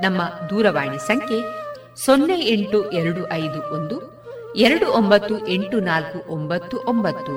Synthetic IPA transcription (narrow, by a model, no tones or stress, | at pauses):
nɐmːɐd̪uːɾɐʋaːɳisɐŋkʰe | sonːejeɳʈuʔɛɾɐɽuʔɐjd̪uʔond̪u | eɾɐɽuʔombɐt̪ːuʔe̞ɳʈunaːlkuʔombɐt̪ːuʔombɐt̪ːu